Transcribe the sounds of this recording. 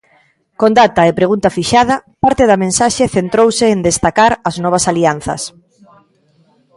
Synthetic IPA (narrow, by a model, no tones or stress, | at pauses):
kõnd̪at̪aepɾeɣunt̪afiʃað̞ɐpaɾt̪eðɐmẽnsaʃeθent̪ɾowseːnd̪est̪akaɾaznɔβ̞ɐsalianθɐ̰s